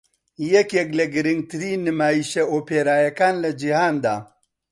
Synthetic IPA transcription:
jɛkjɛklɐɡɨɾɨŋɡ̚t̪ɨɾiːnːɨmaːjiʃeoːpʰeːɾaːjɐkaːnlɐd͡ʒihaːnd̪aː

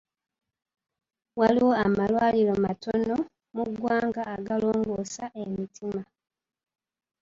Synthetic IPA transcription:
waliwo̞amalwaːlilomato̞no̞ | muɡwaːŋɡaːɡaloːŋɡosaʔemitima

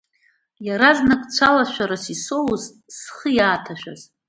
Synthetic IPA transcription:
jaɾaznakʼt͡sʷʰalaʃʷᶣaɾasisowz | sχəjaːtʰaʃᶣa̰z̥

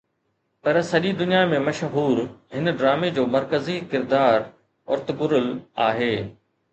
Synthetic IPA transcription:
pɐɾsɐʄid̪ʊnijamẽmɐʃɦuːɾɦɪnɖɾaːmed͡ʑoːmɐɾkəzikɪɾd̪aːɾ | ʊ̰ɾt̪ɡʊɾəla̰ːɦeː

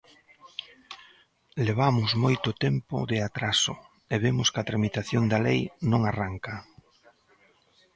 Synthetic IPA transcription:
leβ̞amʊzmojt̪ʊt̪empʊ̰ðɪat̪ɾasʊ | eβemʊskat̪ɾamit̪aθjond̪ɐlejnõŋaraŋkɐ

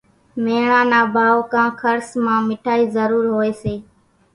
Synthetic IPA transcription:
meːɳãːnaːbʱaːʋokãːkʰəɾsmãːmɪʈʰaːiːzəɾuːɾɦoːeːseː

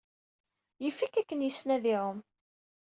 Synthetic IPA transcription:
jifikːækːənjəsnæðiʕəm

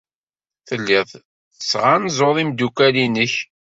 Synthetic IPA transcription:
θəlːɪðˤ | θəsʁanzoðˤimd̪ukælinəç

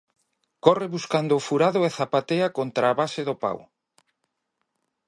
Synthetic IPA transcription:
kɔrɪβuskand̪ʊːfuɾaðʊɛθapat̪eakont̪ɾaːβasɪðʊpa̰w

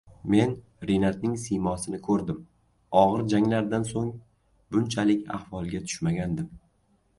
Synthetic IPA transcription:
me̞n | ɾenat̪̚nɪŋsimɒsɪnɪkʰɵɾd̪ɪm | ɒʁɨɾd͡ʒaŋlaɾd̪ansoŋ | bʊnt͡ʃʰalɪkʲa̰hvɒlˠɡʲat̪ʰʊ̥ʃmaɡʲand̪ɪm

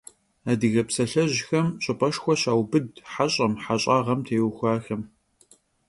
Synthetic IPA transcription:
adɨɣɐpsɐɬɐʑxɐmɕʼɨpʼɐʃxʷɔɕaːwbɨdħaɕʼɐmħaɕʼaːʁɐmtʰeːwxʷaːxɐm

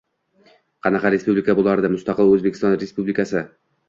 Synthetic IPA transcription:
qʰɑnɑqɑɾe̞spublʲikʰabolˠaɾd̪ɪmʊst̪ɑqʰɨlˠɵzbekʰʲɪ̥st̪ɒnɾe̞spublɪkʰasɪ

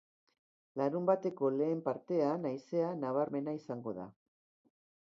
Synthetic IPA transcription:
laɾumbat̪e̞ko̞le̞ːmpaɾt̪e̞anajse̞anaβ̞aɾme̞naisaŋɡo̞ða̰

